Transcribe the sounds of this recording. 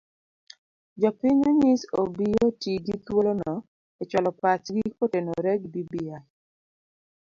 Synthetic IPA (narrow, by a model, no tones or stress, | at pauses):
d͡ʒɔpɪɲoɲɪsobijotiɡit̪wolonɔ | et͡ʃwalɔpatɡikotenoɾɛɡdibia